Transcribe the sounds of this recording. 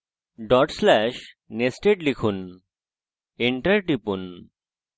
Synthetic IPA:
ɖɔʈslɛʃ | nesʈeɖlikʰun | eɳʈɐɾʈipun

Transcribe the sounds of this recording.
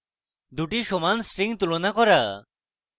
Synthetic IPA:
d̪uʈiʃomansʈɾiŋt̪ulonakɔɾa

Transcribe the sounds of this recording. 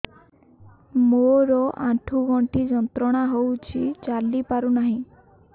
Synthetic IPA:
moɾɔʔãʈʰuɡɔɳʈid͡zənt̪ɾɔɽ̃aɦowt͡ɕit͡ɕalːipaɾunaɦĩ

